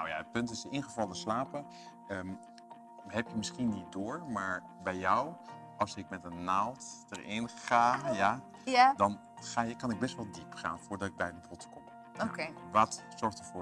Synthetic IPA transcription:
na̰wja̰ət̚pɵntɪsɪnχəvɑlˠəslaːpə | əm | ɦɛpjəmɪsχinit̚dʊːɹmaːɹ | bɛjːɔw | ɑlˠsɪk̚mɛtənːalˠtd̥əɹɪnχaːja | jadɑn | χaːjəkɑnɪɡ̚bɛstʋɛlˠdipχa̰ːnfʊːɹdɑtɪɡ̚bɛjdəbɔtəkɔm | o̰keʋatsɔɹχtəfʊː

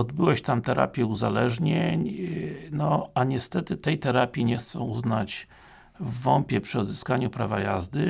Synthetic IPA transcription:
ɔd̪bɘwɛɕt̪amt̪ɛɾa̰pʲjɛuzalɛʐɲeɲnɔaɲɛst̪ɛt̪ɘt̪ɛjt̪ɛɾapʲjiɲɛxt̪sɔ̃w̃uznat͡ɕ | vːɔmpʲjɛpʂɘɔd̪zɘskaɲupɾavaja̰zd̪ɘ

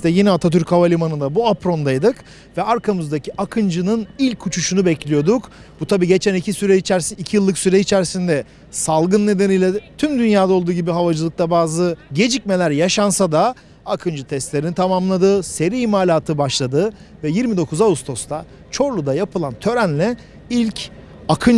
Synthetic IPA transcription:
st̪ɛjinɛat̪ʰat̪̬yɾchavalʲimanɯnd̪abuapɾo̞nd̪ajd̪ɯk | vɛaɾkʰamɯzd̪acʰiʔakʰɯnd͡ʒɯnɯnilʲcʰːut͡ʃʰuʃunubɛclʲijo̞d̪uk | but̪ʰabiːɟe̞t͡ʃʰænicʰisyɾɛit͡ʃʰæɾsiicʰijɯlˠːɯksyɾɛit͡ʃʰæɾsind̪ɛ | salˠɡɯnːe̞d̪e̞nijlʲɛt̪ʰymd̪ynjaːd̪ao̞lˠd̪uːɟibiɦavad͡ʒɯlˠɯk̚t̪abaːzɯɟe̞d͡ʒicme̞lʲæɾjaʃansad̪a | akʰɯnd͡ʒɯt̪ʰɛst̪lʲe̞ɾinit̪ʰamamlˠad̪ɯse̞ɾiimaːlʲaːt̪ʰɯbaʃlˠad̪ɯ | vɛjiɾmid̪o̞kʰuzaust̪ʰo̞st̪ʰa | t͡ʃʰo̞ɾlˠud̪ajapʰɯlˠant̪ʰø̞ɾænlʲɛ | ilʲcʰ | akʰɯn

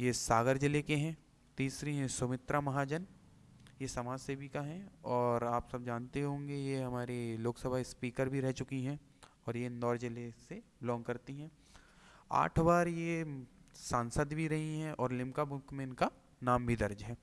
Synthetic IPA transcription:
jesaːɡəɾd͡ʒɪlekeɦɛ̃ː | t̪iːsɾiɦɛ̃sʊmɪt̪ɾamɐɦaːd͡ʒən | jesɐmaːd͡ʒsebʱikaɦɛ̃ɔːɾaːpsɐb̚d͡ʒaːnt̪eɦõːŋɡejeɦɐmaːɾeloːksəbʱaɪspiːkəɾbʱiɾɛɦt͡ʃʊkiɦɛ̃ | ɔːɾjenɔːɾd͡ʒɪleseblɔ̃ːŋɡkɐɾt̪iɦɛ̃ː | a̰ːʈʰbaːɾje | saːnsəd̪bʱiɾɐɦiɦɛ̃ɔːɾlɪ̃mkabʊkmẽnka | naːmbʱid̪ɐɾd͡ʒɦɛː

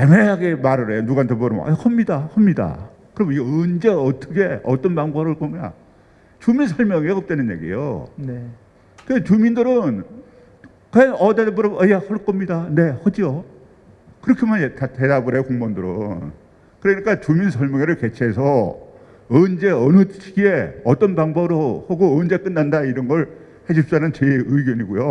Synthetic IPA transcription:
emeɦaɡemaɾɯɾejonuɡantʰepɯɾʌ̰m̰a̰kʰʌmɲidahʌmɲida̰ | kɯɾʌmiɡeɯnd͡ʑeʌt͈ʌɡʰe̞ʌt͈ʌnpaŋboɾɯɭk͈ʌma̰ | t͡ɕuminsʰʌɭmjʌŋeɡaʌp̚t͈enɯnje̞̰ɡiḛjo̰ne | et͡ɕumindɯɾɯn | kanʌdepʌɾʌmʔajahʌɭk͈ʌmɲidane̞hʌd͡ʑiʌ | kɯɾʌkʰemanetʰatedabɯɾekoŋmʌndɯɾɯ̰n | kɯɾʌɲik͈at͡ɕuminsʰʌɭmjʌŋeɾɯɭke̞t͡ɕʰe̞sʰʌ | ɯnd͡ʑe̞ʌnɯt͡ɕʰiɡieʌt͈ʌnbaŋbʌbɯɾohaɡoːnd͡ʑe̞k͈ɯnːandaiɾʌnɡʌɭ | heɕʰip̚s͈anɯnt͡ɕeɯɡjʌɲiɡojo

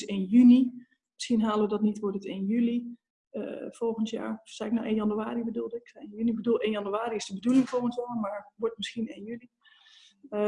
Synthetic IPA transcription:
senjyni | mɪsxiənɦaːlˠəʋədɔtnitʋodətɪnjyli | fɔlˠɣəntja̰ːɹsaɪknaʔeːnjɔnyaːɾibədulˠdɪkenjynibədulˠeːnjɔnyaːɾiɪsdəbədulɪŋfoːəntɔnmaɹʋodtmɪsxiənenjyli

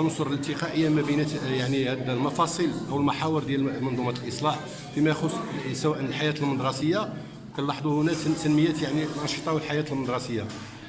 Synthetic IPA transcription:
nosˤoɾˤləlt̪əqɑʔəjːamæbənæjaʕnihæd̪lmɑfɑsˤilʔəwəlmaħawəɾd̪jælmɑnd̪ˤumæt̪əlʔəsˤlɑħ | fimæjxʊsːsæwæʔənəlħajæt̪əlməd̪ɾˤɑsəjːa | kælɑħd̪ˤuhʊnæt̪ənməjːæt̪jaʕnilʔɑnʃət̪ˤɑwəlħajæt̪əlmənd̪ɾɑsəjːa

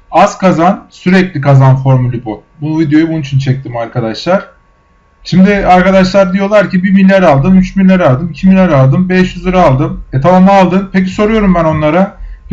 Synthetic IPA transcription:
az̥kʰazansyɾɛclʲikʰazanfo̞ɾmulʲibubunuvid̪ejo̞jubunut͡ʃʰynt͡ʃʰɛc̚t̪ʰimaɾkʰad̪aʃlˠaɾ̥ | ʃimd̪ɪaɾkad̪aʃlˠaɾd̪ijo̞lˠaɾcibibinːʲæɾalˠd̪ɯmyt͡ʃbinlʲæɾalˠd̪ɯmicʰiminːʲæɾalˠd̪ɯmbɛʃjyzlˠɯɾaaːlˠd̪ɯmɛt̪ʰamamaːlˠd̪ɯnpʰec̬iso̞ɾujo̞ɾumbæno̞nlˠaɾa

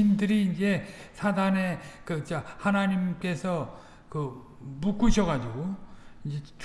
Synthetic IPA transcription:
indɯɾiːnd͡ʑe̞sʰadane̞kɯt͡ɕahanaɲimk͈e̞sʰʌ | kɯ | muk͈uɕʰʌɣad͡ʑiɡoind͡ʑe̞t͡ɕ

